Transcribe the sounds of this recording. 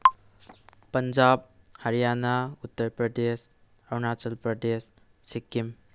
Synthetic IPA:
pɐnd͡ʒab̚ | hɐɾijanautːɐɾpɾɐdes | awnat͡ʃɐlpɾɐdesː | ikːim

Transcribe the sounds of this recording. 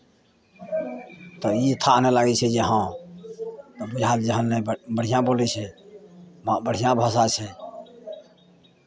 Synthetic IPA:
t̪ɔit̪ʰaʔnɛlaɡɛt͡ʃʰɛd͡ʒeɦã | t̪ɔbud͡ʒʱat̪d͡ʒəɦənːɛbəɽ̤ijãbolit͡ʃʰɛ | mãbəɽ̤ijãbʱəs̬at͡ʃʰɛ

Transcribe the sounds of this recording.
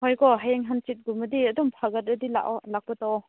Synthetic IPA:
hɔjkɔɦajeŋɦant͡ʃit̚ɡumɐdiɐdɔmpʰaɡɐt̚ɐdila̰ʔalak̚pɔtɔw

